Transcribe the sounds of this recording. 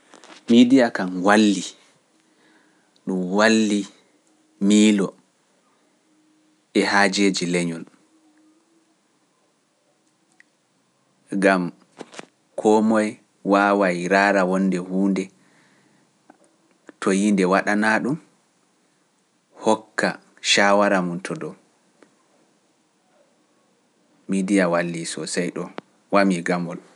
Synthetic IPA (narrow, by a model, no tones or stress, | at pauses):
midijakanwalːi | ɗumwalːi | miːlɔ | ɛhad͡ʒed͡ʒilɛɲɔl | ɡam | kʰɔmɔj | waːwajɾaːɾawɔnːdɛhuːndɛ | tʰɔjindɛwaɗanaɗum | hɔkːa̰ | ʃawaɾamuntʰɔdɔ | midijawalːisɔsajɗɔ | wamiɡamɔl